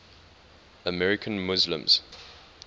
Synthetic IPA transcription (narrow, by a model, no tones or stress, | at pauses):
əmɛɹɪkʰə̃nmʊzlə̰̃mz̥